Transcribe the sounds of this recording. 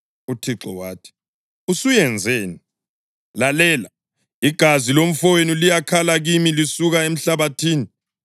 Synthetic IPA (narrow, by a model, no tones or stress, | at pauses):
utʰiǁɔ̰waːtʰi̥ | usujɛnd͡zʱeːni | lalɛːla | iɡ̥ʱazilom̩fɔwenilijakʰalaɣimilisuɣaem̩ɬaβatʰiːni